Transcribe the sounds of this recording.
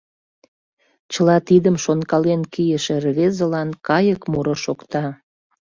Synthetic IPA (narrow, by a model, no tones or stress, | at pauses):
t͡ɕəlɑt̪id̪əmʃonkɑlenkijəʃĕrβezəlɑnkɑjəkmuɾoʃokt̪ɑ